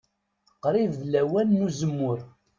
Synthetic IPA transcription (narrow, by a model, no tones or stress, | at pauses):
qːɾɪððlæwænːuzəmːʊɾ